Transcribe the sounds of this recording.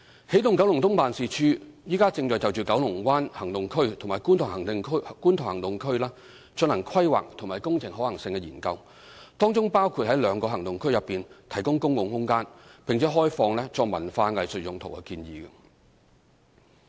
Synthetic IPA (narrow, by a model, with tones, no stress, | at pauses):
he˨˥jt̪ʊ˨ŋkɐ˨˥wlʊ˨˩ŋt̪ʊ˥ŋpaː˨˧nsiː˨˧t͡ʃʰyː˥jiː˥kaː˥t͡sɪ˧ŋt͡ʃɔː˨jt͡sɐ˨wt͡ʃyː˨kɐ˨˥wlʊ˨˩ŋkwʷaː˥nhɐ˨˩ŋt̪ʊ˨ŋkʰɵ˥ɥt̪ʰmaː˨˩jku˥nt̪ʰʊ˨˩ŋhɐ˨˩ŋt̪ɪ˧ŋʰ˥kuː˥nt̪ʰʊ˨˩ŋhɐ˨˩ŋt̪ʊ˨ŋkʰɵ˥ɥlaː˥ | t͡ʃɵ˧nlɐ˨˩ŋkʰwɐ˥jwa̰ː˨˩k̚t̪ʰʊ˨˩ŋmaː˨˩jkʊ˥ŋt͡sʰɪ˨˩ŋhɔː˨˥lɐ˨˩ŋsɪ˧ŋkɛ˧jiː˨˩nkɐ˧w | t̪ɔː˥ŋt͡sʊ˥ŋpaː˥wkʰuː˨˧t̚hɐ˨˥jlœː˨˧ŋkɔː˧ɦɐ˨˩ŋt̪ʊ˨ŋkʰɵ˥ɥjɐ˨pːiː˨nt̪ʰɐ˨˩jkʊ˥ŋkʊ˥ŋwʊ˨ŋhʊ˥ŋkaː˥npɪ˨ŋt͡sɛː˨˥ɦɔː˥jfɔː˧ŋlɛː˥t͡sɔː˧k̚mɐ˨˩nfaː˧ŋɐ˨jsɵ˨t̚jʊ˨ŋt̪ʰo˨˩wkɛ̰˧kiː˧njiː˨˧ɡɐ˧